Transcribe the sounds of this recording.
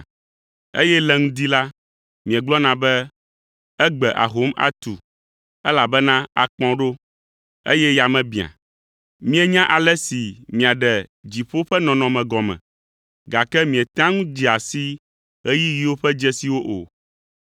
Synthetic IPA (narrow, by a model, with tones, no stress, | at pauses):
ḛ˦jɛ˦lɛ˦ŋũ˦d̪i˦la˦ | mĩ˨ɛ̃˨ɡ͡blɔ˦nã˨bɛ˦ | ɛ˦ɡ͡bɛ˨ʔa̰˨ɦo˨˦ma̰˨t̪u˨ | ɛ˦la˨bɛ˦nã˦a̰˨k͡pɔ̃˦ɖo˦ | ḛ˦jɛ˦ja˨mɛ̃˨bĩ˨a̰˨ | mĩ˦ɛ˦ɲã˦ʔa˨lɛ˦si˨mĩ˨a˨ɖɛ˨d͡ʑi˨ɸo˦ɸɛ˦nɔ̃˨nɔ̃˨mɛ̃˨ɡɔ˨mɛ̰̃˨ | ɡa˨kɛ˦mĩ˨ɛ˨t̪ã˦ŋũ˦d͡ʑi˨a˨si˦ | ɣɛ˦ji˦ji˦wo˦ɸɛ˦d͡ʒɛ˦si˨wo˦ʔo̰˨